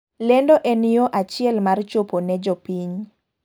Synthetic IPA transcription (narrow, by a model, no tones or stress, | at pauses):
lɛndoʔɛnijoʔat͡ʃɪɛlmart͡ʃoponɛd͡ʒopiɲ